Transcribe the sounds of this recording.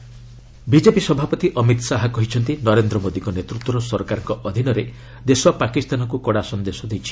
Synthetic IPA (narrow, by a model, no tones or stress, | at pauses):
bid͡ʒepisɔbʱapɔt̪iʔɔmit̪saɦɔkɔɦit͡ʃʰɔnt̪inɔɾend̪ɾɔmod̪iŋkɔnet̪ɾut̪wɔɾɔsɔɾkaɾɔŋkɔʔɔd̪ʱinɔɾe | d̪esɔapakist̪anɔkukɔɽasɔnd̪esɔd̪ejt͡ʃʰi̥